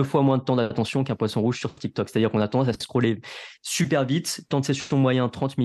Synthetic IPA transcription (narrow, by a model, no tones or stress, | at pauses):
əfwamwɛ̃d̪ət̪ɑ̃d̪at̪ɑ̃sjɔ̃kɛ̃pwasɔ̃ʁuʒsyʁt̪ik̚t̪ɔkse̥t̪ad̪iʁkɔ̃nat̪ɑ̃d̪ɑ̃s̬assə̥kχulesypɛʁvit̪ːɑ̃t̪sɛsysɔ̃mwajɛ̃t̪χɑ̃t̪mi